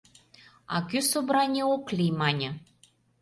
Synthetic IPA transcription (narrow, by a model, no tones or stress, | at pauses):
ɑ̰kysobɾɑnʲeoklʲijmɑnʲɤ̆